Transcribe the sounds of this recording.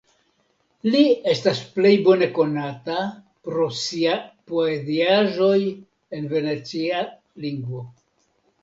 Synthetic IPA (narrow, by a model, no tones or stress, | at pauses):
lie̞stasple̞jbo̞ne̞ko̞nata | pɾo̞siapoe̞ziaʒo̞j | e̞nve̞ne̞t͡sia | liŋɡvo̞